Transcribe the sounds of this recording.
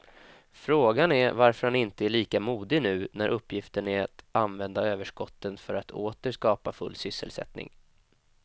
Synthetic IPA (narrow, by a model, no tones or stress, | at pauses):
fɾoːɡanæɾvaɾfœɾhanɪnt̪əæɭiːkamuːd̪ɪnʉ̟ːnæɾʔɵpːjɪft̪əɳæɾat̪anvɛnd̪aøːvəʂkɔt̪ːənfœɾat̪ʰoːt̪əʂkɑːpafɵ̰lːsʏsːə̰lsɛ̰t̪nɪ̰ŋ